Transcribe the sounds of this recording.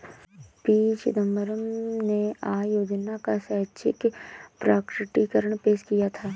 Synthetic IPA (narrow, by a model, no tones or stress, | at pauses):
piːt͡ʃɪd̪əmbəɾəmneaːjoːd͡ʒnakasɛɦt͡ʃʰɪkpɾaːkɾɪʈikəɾəɽ̃peːʃkijat̪ʰaː